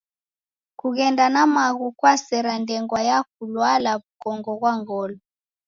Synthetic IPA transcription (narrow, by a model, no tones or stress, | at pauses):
kuɣɛndanamaɣukwasɛɾandɛŋɡwajak̚ulwalaβukɔŋɡɔɣwaŋɡɔlɔ